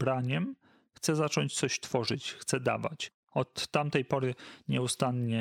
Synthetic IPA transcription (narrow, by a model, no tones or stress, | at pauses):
bɾaɲɛm | xt̪sɛzat͡ʂɔɲt͡ɕt̪sɔɕt̪fɔʐɘt͡ɕxt̪sɛd̪a̰va̰t͡ɕ | ɔt̪ːamt̪ɛjpɔɾɘɲɛust̪anɲɛ